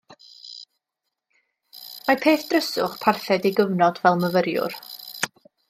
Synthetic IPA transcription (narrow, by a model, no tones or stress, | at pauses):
mapʰeːθd̥rəsʊχpʰarθɛdiɡəvnɔdvɛlˠməvəɾjʊ̰r